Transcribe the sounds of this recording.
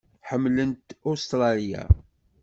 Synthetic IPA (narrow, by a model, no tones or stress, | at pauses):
ħəmːlənt̪ust̪ɾˤɑlija̰